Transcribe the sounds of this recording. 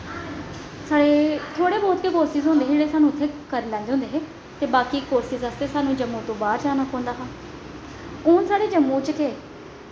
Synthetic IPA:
saːɽeːt̪ʰoːɽeːboːt̪keːkoːɾsizɦõːnd̪eːd͡ʒeːɽeːsaːnũːʊt̪ʰːeːkəɾiːlɛ̃ːnd̪eõːnd̪eːɦeː | t̪eːbaːkiːkoːɾsizaːst̪eːsaːnũːd͡ʒəmːõːt̪õːbaːɾd͡ʒaːnaːkõːnd̪aːɦãː | oːnsaːɽeːd͡ʒəmːõːt͡ʃkeː

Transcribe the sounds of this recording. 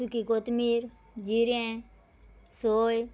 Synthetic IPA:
ukikoːt̪miːɾ | d͡ʒiɾɛ̃ | soːj

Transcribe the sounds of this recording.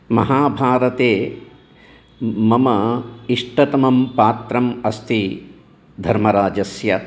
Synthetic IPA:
mɐ̰ɦaːbʱaːɾɐt̪eː | mɐmɐiʂʈɐt̪ɐmɐmpaːt̪ɾɐmɐst̪ʰi | d̪ʱɐɾmɐɾaːd͡ʒɐsjɐ

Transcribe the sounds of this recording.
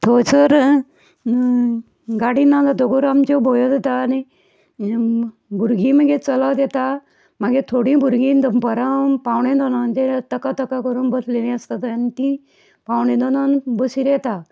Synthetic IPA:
t̪ʰot͡səɾ | ɡaɽinːad̪ad̪oɡoɾamt͡ɕobʱojod̪et̪ani | bʱuɾɡĩːməɡet͡səlad̪et̪a | maɡet̪ʰoɽĩːbʱuɾɡĩːnd̪əmpəɾapawɳẽd̪ɔnand͡ʑet̪əkat̪əkakəɾũːnbəslelĩəst̪at̪nit̪ĩ | pawɳ̃ẽd̪ɔnanbəsiɾet̪a

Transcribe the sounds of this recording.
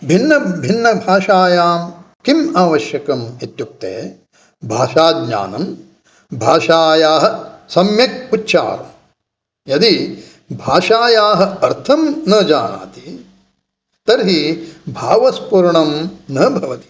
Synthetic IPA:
bʱinːɐbʱinːɐbʱaːʃaːjaːm | kimaːʋɐʃjɐkɐmet̪juk̚t̪ḛː | bʱaːʃaːd̪̚ɲa̰ːnɐm | bʱaːʃaːjaːɦɐ̆sɐmjɐk̚utːʃʰa̰ːɾɐ̰m | jɐd̪i | bʱaːʃaːjaːɦɐ̆ɐɾt̪ʰɐmnɐd͡ʒaːna̰ːt̪i | t̪ɐɾɦibʱaːʋɐspuɾɳɐmnɐbʱɐʋɐt̪i̥

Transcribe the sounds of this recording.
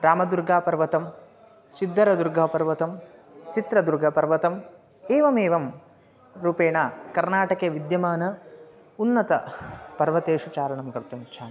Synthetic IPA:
ɾaːmɐd̪uɾɡʱaːpɐɾʋɐt̪ɐm | sid̪ʱːɐɾɐd̪uɾɡʱaːpɐɾʋɐt̪ɐm | t͡ʃit̪ɾɐd̪uɾɡʱɐpɐɾʋɐt̪ɐm | eːʋɐmeːʋɐm | ɾuːpeːɳaːkɐɾnaːʈɐkeːʋid̪jɐmaːnɐ | unːɐt̪ɐ̰pɐɾʋɐt̪eːʂut͡ʃaːɾɐɳɐmɡɐɾt̪umt͡ʃʰaːn

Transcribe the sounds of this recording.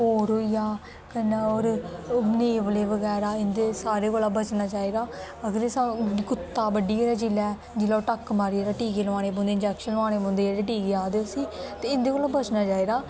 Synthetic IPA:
ɦoːɾɦoːijaː | kənaɔːɾneːʋəleːʋəɡɛːɾaːɪnd̪eːsaːɾeːkoːlaːbət͡ʃnaːt͡ʃaːiːd̪aː | əɡəɾeːsakʊt̪ːaːbəɖieːɾaːd͡ʒilɛː | d͡ʒɪloːʈəkːmaːɾiːeːɾaːʈiːkeːlʋaːɽ̃eːbõːnd̪eːnd͡ʒɛkʃənlʋãːñeːbõːnd̪eːeːɾeːʈiːkeːaːd̪eoːsiːt̪eːɪnd̪eːkoːlaːbət͡ʃnaːt͡ʃaːiːd̪aː

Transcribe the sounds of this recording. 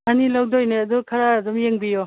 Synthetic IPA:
anilawdojneɐdukʰaɾaːdumjeŋbijɔ

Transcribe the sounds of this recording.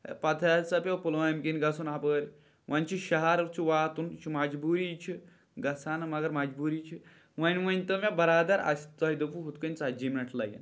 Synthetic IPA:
pɐt̪ʰɐsɐpʲowpulajmkinɡɐsunaːpəːɾʲ | ʋɐnʲt͡ʃʰiʃɐɦɐɾt͡ʃʰiʋaːt̪unt͡ʃʰimɐd͡ʒbuːɾit͡ʃʰi | ɡɐsaːnɨmɐɡɐɾmɐd͡ʒbuːɾiːt͡ʃʰi | ʋɐnʲʋɐnʲt̪ɨmʲẽbɐɾaːd̪ɐɾɐ̰sʲt̪ɐɦid̪ɨpuɦut̪̚kɨnʲt͡sad͡ʒimnɐʈʰlɐ̰jɐ̰n

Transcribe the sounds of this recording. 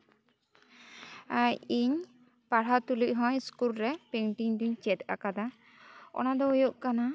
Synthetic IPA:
ajiɲ | paɽ̤at̪uliʔ̚ˀɦɔ̃ɲskulɾɛpẽʈiŋd̪uɲt͡ʃɛt̪a̰kad̪a | ɔ̰nad̪ɔujoʔkana

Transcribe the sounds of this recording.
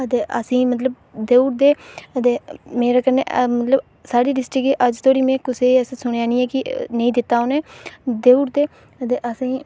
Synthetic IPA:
ət̪eːʔə̰sĩːmət̪ləb̚ | d̪eːuɾd̪eːət̪eːmeːɾaːkəɾnḛːʔmət̪ləb | saːɽiːɖɪsʈɪkeːʔəd͡ʒt̪ʰoːɽiːmɛ̃ːkʊseːsĩːsʊɽeaːnĩːɛːkɪnəĩːd̪ɪt̪ːaːoːneːd̪eːuɾd̪eː | t̪eːʔəsĩː

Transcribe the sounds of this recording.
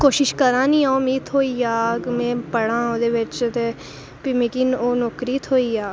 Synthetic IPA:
koːʃɪʃkəɾãːnĩːãːʊmiːt̪ʰɦoːiːaːkmɛ̃ːpəɽãːod̪eːʋɪt͡ʃt̪eː | pɪmikiːnoːnɔːkɾiːt̪ʰɦoːiːaː

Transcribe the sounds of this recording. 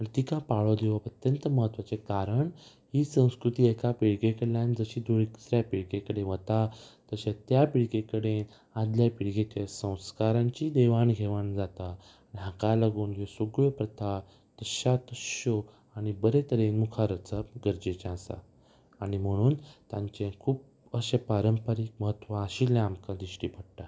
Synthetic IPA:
pɾit̪ikapaɭod̪eʋəpət̪jənt̪əməɦət̪ːʋat͡sekaɾəɳ | ɦiːsə̃w̃skɾut̪iːekapiɽɡekəɽlãnd͡zəɕiːd̪uɭiksɾjapiɽkekəɽẽʋət̪at̪əɕãt̪japiɭkekəɽen | ad̪ljapiɽɡet͡ɕasə̃w̃skaɾãɲt͡ɕiːd̪eʋanɡʱeʋand͡zat̪aː | niɦakalaɡuːnd͡ʑesuɡɭəpɾət̪ʰa | t̪əɕat̪əɕo | aɽ̃ibəɾet̪əɾẽnmukʰaɾət͡səbɡəɾd͡ʑet͡ɕãːsa̰ː | ɽ̃im̤əɽ̃uːnt̪ãɲt͡ɕẽkʰuːp | əɕepaɾəmpəɾiːk̚məɦət̪ʋaəɕiːlẽamkãd̪iɕʈipəɽʈa

